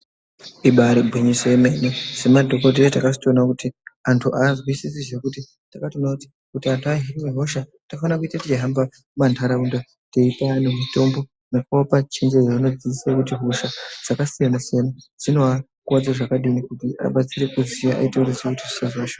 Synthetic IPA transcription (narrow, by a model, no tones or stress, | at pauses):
iɓaɾebʱwiɲiseime̞nese̞madʱo̞kot̬eetakasi̥toːnakutiantʰuʔaːzwisisiʐe̞kuti | takatonakuti̥ | kutiantʰuaɦiriweɦo̞ʃatakafanakuitatit͡ʃiɦamba | mantʰaɾaunda | teipanemito̞mbo̞ | nekoapat͡ʃend͡ʒed͡zaano̞d͡ziisakutiɦo̞ʃad͡z̥akasijanasijanad͡zino̞a | kuwad͡zaʐakaɗikutiʔa̰ɓat͡sire̞kuzijaʔa̰iteuresekutiʐisazaʃo